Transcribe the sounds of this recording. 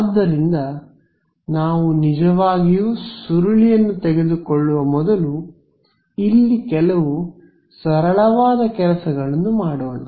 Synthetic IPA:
aːd̪ːɐɾind̪ɐ | naːʋunid͡ʒɐʋaːɡijusuɾɐɭijɐnːut̪ɛɡe̞d̪ukɔɭːuʋɐmɔd̪ɐlu | ilːikɛlɐʋu | sɐɾɐɭɐʋaːd̪ɐkɛlɐsɐɡɐɭɐnːumaːɽuːɐnɐ

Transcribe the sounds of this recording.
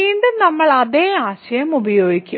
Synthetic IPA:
iːɳɖɨnɐmːɐɭɐðeːaːɕɐjɐmubɐjo̞ːɡikʲːu

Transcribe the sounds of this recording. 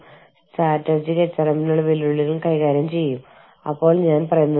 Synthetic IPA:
sʈaːʈːɐd͡ʑiɣet͡ɕːɐrɐminːuɭuʋiluɭːilumkɐjɣaːɾjɐmt͡ɕe̞jːum | ɐpːo̞ːɭɲaːnpɐrɐjunːɐ

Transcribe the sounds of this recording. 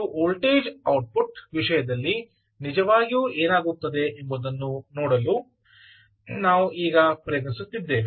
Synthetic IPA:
uʔoːlʈeːd͡ʒɐwʈ̚puʈʋiʂɐjɐd̪ɐlːi | nid͡ʒɐʋaːɡijuːʔeːnaːɡut̪ːɐd̪e̞ʔembud̪ɐnːunoːɽɐluː | naːʋuiːɡɐpɾɐjɡnisut̪ːid̪ːe̞ːʋ

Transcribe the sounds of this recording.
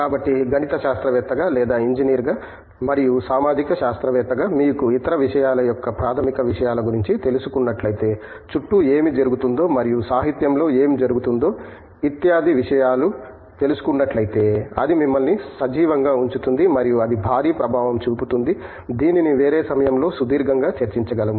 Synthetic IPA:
kaːbɐʈːiɡʱɐnit̪ɐʃaːst̪ɾɐʋɛːt̪ːɐɡaːlɛːd̪aːiɲd͡ʒiniːɾɡaː | mɐɾijusaːmaːd̪ʱikɐʃaːst̪ɾɐʋɛːt̪ːɐɡaːmiːkuit̪ɐɾɐʋiʂɐjaːlɐjɔkːɐpɾaːt̪ʰɐmikɐʋiʂɐjaːlɐɡuɾiɲt͡ʃit̪elusukunːɐʈlɐjit̪e̞ː | t͡ʃuʈːueːmid͡ʒɐɾuɡut̪und̪o̞ːmɐɾijusaːɦit̪jɐmlo̞ːe̞ːmid͡ʒɐɾuɡut̪und̪o̞ː | it̪jaːd̪ʱiʋiʂɐjaːlu | t̪e̞lusu̥kunːɐʈlɐjit̪e̞ːɐ̰d̪imimːɐlnisɐd͡ʒiːʋɐŋɡaːuɲt͡ʃut̪und̪imɐɾijuɐd̪ibʱaːɾiːpɾɐbʱaːʋɐmt͡ʃuːput̪und̪i | d̪iːniniʋe̞ːɾeːsɐmɐjɐmlo̞ːsud̪iːɾɡɐŋɡaːt͡ʃɐɾt͡ʃiɲt͡ʃɐɡɐlɐm

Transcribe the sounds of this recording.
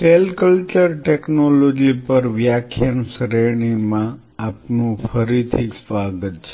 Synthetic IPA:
selkəlt͡ʃəɾʈeknolod͡ʒipəɾʋjakʰjənsɾeɳimãː | pnũfʰəɾit̪ʰisʋaɡətt͡ʃʰe

